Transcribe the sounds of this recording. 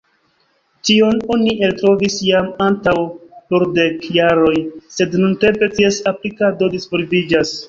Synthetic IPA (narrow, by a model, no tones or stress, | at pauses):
tio̞no̞niʔe̞ltɾo̞visjamantawloɾde̞kjaɾo̞jse̞dnunte̞mpe̞tiesaplikado̞dispoɾivid͡ʒas